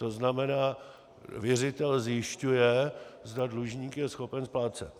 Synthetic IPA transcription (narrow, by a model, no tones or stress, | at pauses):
t̪oznamɛnaː | vjɛrɪt̪ɛlzjɪʃcujɛzdadluʒɲiːkjɛsxo̞pɛnsplaːt͡sɛt̪